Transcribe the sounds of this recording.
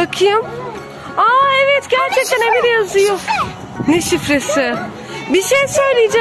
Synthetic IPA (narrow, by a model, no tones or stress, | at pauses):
akʰɯjum | aevɛt̪ɟæɾt͡ʃʰɛc̚t̪ʰænebid̪ejazɯjo | neʃifɾesɪ | biʃejsø̞jlˠijd͡ʒa